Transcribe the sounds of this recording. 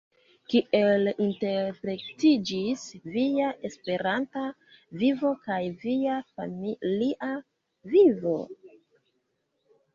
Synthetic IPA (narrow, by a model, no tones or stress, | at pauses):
kiʔe̞linte̞ɾpɾe̞ktid͡ʒisvijaʔe̞spe̞ɾanta | vivo̞kajviafamiliʔa | vivo̞